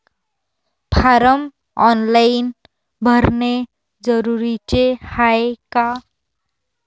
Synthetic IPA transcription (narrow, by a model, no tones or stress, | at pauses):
pʰaɾʌm | ʌnlajn | bʱʌɾne | d͡zʌɾuɾit͡ʃehaeka